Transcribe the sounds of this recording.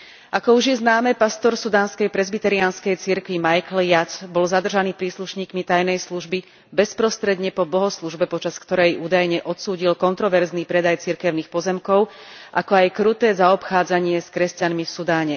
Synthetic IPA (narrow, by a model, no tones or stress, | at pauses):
ʔakɔuʒjɛznaːmɛpast̪ɔɾsud̪aːnskɛjpɾɛzbit̪ɛɾianskɛjt͡siɾkʋimajkljat̪bɔlzad̪r̩ʒaniːpɾiːsluʃɲiːkmit̪ajnɛjsluʒbi | bɛspɾɔst̪ɾɛd̪ɲɛpɔbɔɦɔsluʒbɛpɔt͡ʃaskt̪ɔɾɛjuːd̪ajɲɛʔɔt̪suːɟilkɔnt̪ɾɔʋɛɾzniːpɾɛd̪ajt͡siɾkɛʊnixpɔzɛmkɔʊ | ʔakɔajkɾut̪ɛːzaɔpxaːd͡zaɲɪɛskɾɛscanmifsud̪aːɲɛ